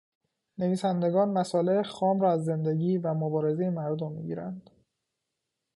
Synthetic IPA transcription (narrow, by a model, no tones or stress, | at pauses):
ne̞viːsænd̪e̞ɡɒːnmæsɒːlexɒːmɾɒːæzːe̞nd̪e̞ɟiːvæmobɒːɾe̞zejemæɾd̪omːḭɟḭːɾæ̰nd̪̥